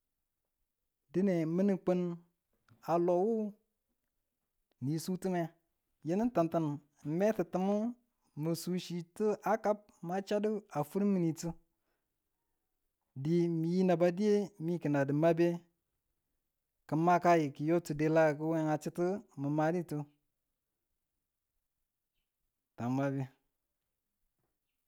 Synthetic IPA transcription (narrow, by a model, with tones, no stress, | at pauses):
di˦ne˨mə˦nə˨k͡pə˦n | a˨lo˨wu˦ | ni˨su˦tə˦me˨ | je˦nə˦n˦ta˨ntə˨n̩˨ | me˦tə˨tɨ˨mə˦ | mə˨su˨˦ʃi˨tə˦ʔa˦ka˦p̚ma˦t͡ʃa˦də˦a˨fu˦ɾmi˨ni˨tɨ˦ | di˨mi˨ji˦na˨ba˦di˦je˦mi˦kə˨na˨də˨ma˦be˦ | kə˨ma˦ka˦ji˨ki˨jo˦tu˨de˨la˦˨kə˦we˦ŋa˨t͡ʃi˦tə˦mə˨ma˨˦di˦tu˦ | ta˨m˨ma˦be˦